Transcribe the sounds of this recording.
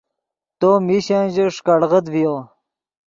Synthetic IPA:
t̪omiɕanʑeʂkaɽʁəd̪vijo

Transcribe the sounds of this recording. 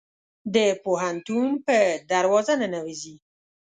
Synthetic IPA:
d̪əpoɦant̪unpəd̪aɾwɑzananawizi

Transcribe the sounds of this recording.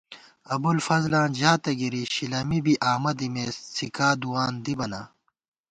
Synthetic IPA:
ɐbulfɐzlãːnd͡ʑaːt̪ɐɡiɾiɕilɐmibiʔaːmɐd̪imeːsikaːd̪uwaːnd̪ibɐna̰ː

